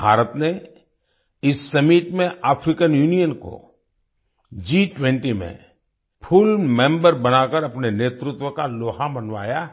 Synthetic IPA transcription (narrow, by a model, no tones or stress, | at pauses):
bʱaːɾət̪ne | ɪsːɐmiːʈmẽʔaːpʰɾɪkənjuːnijənko̰ | d͡ʒiːʈwɛ̃ɳʈimḛ̃ | pʰʊlmɛ̃ːmbəɾbɐnakəɾɐpneneːt̪ɾʊt̪wəkaloːɦãbɐnʋaːja